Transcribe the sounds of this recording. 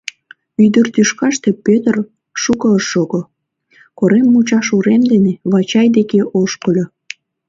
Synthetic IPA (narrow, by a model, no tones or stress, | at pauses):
yd̪ərt̪yʃkɑʃt̪e̽pøt̪ər | ʃukəʃoɡo | koɾemːut͡ɕɑʃuɾemd̪eneβɑt͡ɕɑjd̪ekeʔoʃkəlʲo